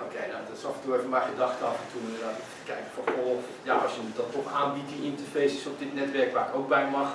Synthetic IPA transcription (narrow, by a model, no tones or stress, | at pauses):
okʰejnadɔtsɔftuəefənmɛjxədɑxtəafəntʰunnat | kɛjkəfɔnxo | jaɔsjənidɔtɔxaːnbit̚diintərfeːsɪsɔp̚dɪtnɛtʋɛrkʋaːrɪkoːk̚bɛjmɑx